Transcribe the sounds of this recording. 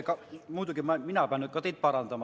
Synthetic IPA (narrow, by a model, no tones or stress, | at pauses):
kɑmuːt̪ɑkimɑminæpæˑnːykɑt̪it̪̚pɑrɑnt̪ɑmɑ